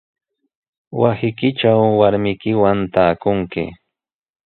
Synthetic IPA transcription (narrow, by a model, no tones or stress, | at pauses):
wasɪkɪt͡ʃawːaɾmɪkɪwant̪aːkʊŋkɪ̰